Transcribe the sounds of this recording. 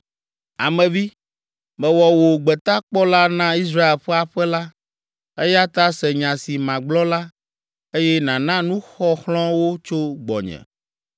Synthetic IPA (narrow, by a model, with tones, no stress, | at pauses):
a̰˨mɛ̃˨vi˦ | mɛ̃˨wɔ˨wo˨ɡ͡bɛ˨t̪a˦k͡pɔ˦la˦nã˦i˦s̬ɾa˦e˨lɸɛ˦a˨ɸɛ˦la˦ | e˦ja˦t̪a˦sɛ˨ɲã˨si˨mã˨ɡ͡blɔ˦la˦ | e˦jɛ˦nã˨nã˦nũ˦xɔ˦xlɔ̃˦wo˦t͡ʃo˦ɡ͡bɔ̰˨ɲɛ̰̃˨